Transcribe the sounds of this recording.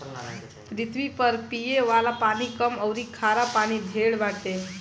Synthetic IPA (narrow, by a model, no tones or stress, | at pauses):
ɾit̪ʰʋipəɾpijeʋalapaɽ̃iːkəməwɾiːkʰaɾapaɽ̃iːd̪ʱeɭʋaʈ̪e